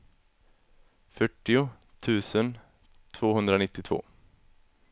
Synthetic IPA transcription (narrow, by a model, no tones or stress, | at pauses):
fœʈːɪʊ | t̪ʰʉ̟ːsən | t̪ʰv̥oːɦɵnd̪ɾanɪt̪ːɪt̪ʰv̥o̰ː